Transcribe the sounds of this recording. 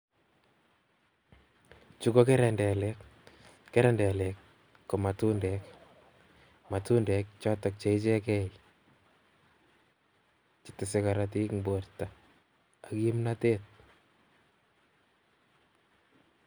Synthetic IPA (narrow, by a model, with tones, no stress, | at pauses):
t͡ʃu˦ko˦ke˦ɾɛndɛ˨lɛk | kːɛ˦ɾɛndɛ˨le˨kː | o˨ma˨tu˦ndɛk | ma˨tu˦ndɛk̚t͡ʃɔ˦tɔk̚t͡ʃe˦ɪt͡ʃe˦kɛ˦i | t͡ʃɪ̥tɪ˨sɪka˨ɾat̬i˦kŋbo˨ɾta˨ | a˨ki˦mnatet̚